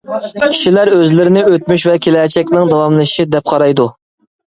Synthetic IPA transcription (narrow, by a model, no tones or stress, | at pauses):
kʲʰi̥ʃilæɾøzlɪɾɪnɪøt̪̚myʃvɛkʲʰelɛːt͡ʃʰɛkʲnɪŋd̪ɑwɑmlˠɨʃid̪ɛp̚qʰɑɾɑjd̪u